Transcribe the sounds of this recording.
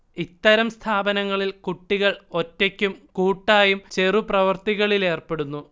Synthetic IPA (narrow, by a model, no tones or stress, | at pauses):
it̪ːɐɾɐmst̪ʰaːbɐnɐŋːɐɭilkuʈːiɣɐɭo̞tːekʲːumkuːʈːaːjumt͡ɕe̞ruprɐʋɐrt̪iɣɐɭile̞ːrpe̞ɽunːu